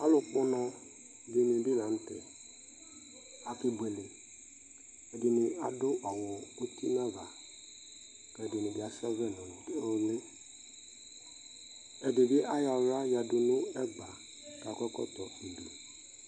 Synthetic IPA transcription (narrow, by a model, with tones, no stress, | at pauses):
a˦lʊ˨k͡pɔ˦nɔ̃˧ | be˦nĩ˨bi˦nã˨˦n̩˦tɛ̰˨ | a˨kɪ˨be˨le˨ | ɛ˨dɪ˨nɪ̃˨a˨dʊ˦ʔa˨wɔ˨o˦ti˦nã˦va˨ | kɛ˨dɪ˨nɪ̃˨bi˨a˨sɛ˦vɛ˦˨nɔ˨le˦ | ɛ˨de˨ɡɪ˦ʔa˦ja˨ɾa˦ja˨dʊ˨nʊ̃˦ɛ˦ɡ͡ba˨ | ka˨kɔ˦kɔ̰˦t̪ɔ˨i˨du˨